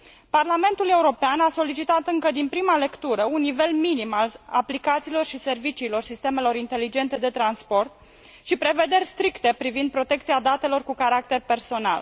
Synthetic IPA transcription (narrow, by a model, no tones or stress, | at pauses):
parlame̞nt̪ule̞uɾo̞peanaso̞lit͡ʃit̪at̪ɨŋkəd̪inpɾimale̞kt̪uɾəunːive̞lminimalaplikat̪siːlo̞rʃise̞rvit͡ʃiːlo̞rsist̪e̞me̞lo̞ɾint̪e̞lid͡ʒe̞nt̪e̞d̪e̞t̪ɾanspo̞rt̪ | ʃipɾe̞ve̞d̪e̞rʲst̪ɾikt̪e̞pɾivind̪̚pɾo̞t̪e̞kt̪siad̪at̪e̞lo̞rkukaɾak̚t̪e̞rpe̞rso̞na̰l